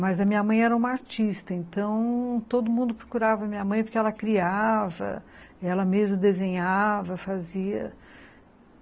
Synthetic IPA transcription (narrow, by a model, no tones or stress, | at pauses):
mɐzɐmĩɲɐmɐ̃j̃ɛɾɐũmɐaɾt͡ʃist̪ɐẽnt̪ɐ̃w̃t̪od̪ʊmũnd̪ʊpɾokuɾavɐɐmĩɲɐmɐ̃j̃poɾkɪɛlɐkɾiavɐ̰ | ɛlɐmezmʊd̪ezẽɲavɐfaziɐ̰